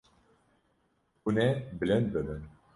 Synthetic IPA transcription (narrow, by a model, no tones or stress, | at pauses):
unɛblɛnd̪̚bəbən